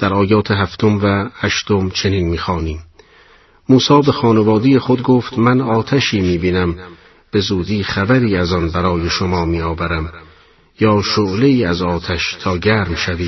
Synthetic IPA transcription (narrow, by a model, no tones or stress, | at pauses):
d̪̥æɾɒːjɒːt̪ʰeɦæft̪ʰo̞mvæhæʃt̪o̞mt͡ʃʰe̞niːnmiːxɒːniːm | muːsɒːbe̞xɒːnevɒːd̪ijexo̞d̪ɡoːft̪mænɒːt̪ʰæʃiːmiːbiːnæm | b̥e̞zuːd̪iːχæbæɾiːæzɒnbæɾɒːje̞ʃomɒːmiːɒːvæɾæm | jɒːʃoʔleiːæzɒːt̪ʰæʃt̪ʰɒːɡæːɾmʃæviː